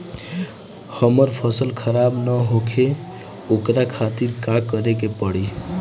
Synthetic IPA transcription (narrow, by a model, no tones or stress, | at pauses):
həməɾpʰəsəlkʰəɾabnəɦokʰe | okɾakʰat̪iɾkakəɾekepəɽi